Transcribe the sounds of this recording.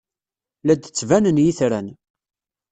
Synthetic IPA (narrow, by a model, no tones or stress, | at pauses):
læd̪t͡sːvænənjiθɾæn